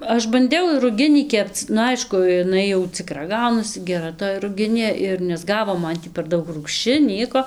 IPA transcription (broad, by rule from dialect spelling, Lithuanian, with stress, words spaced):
ˈɐʃ bɐnʲˈdʲɛʊ ɪr rʊˈɡʲɪnʲiː ˈkʲɛpt͡s nʊ ˈɐɪʃkʊ ɪˈnɐɪ jɛʊ t͡sʲɪˈkrɐ ˈɡɐʊnɐsʲɪ ɡʲɛˈrɐ toːj rʊˈɡʲɪnʲeː ɪr nʲɛzˈɡɑːʋoː ˈmɐn tʲiː pʲɛr ˈdɐʊk ruːkʃʲˈt͡ʃʲɪ ˈnʲiɛkoː